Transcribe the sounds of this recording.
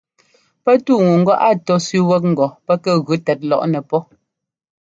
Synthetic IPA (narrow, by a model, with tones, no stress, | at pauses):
pɛ˦tu˦˨ŋu˨ŋ̩˦ɡɔ˦ʔa˦˨tɔ˦sʉ˦wɛ˦k̚ŋ̩˨ɡɔ˨pɛ˦kɛ˦ɣʉ˨˦tɛ˨t̚lɔ̰˦˨ʔnɛ˨pɔ˦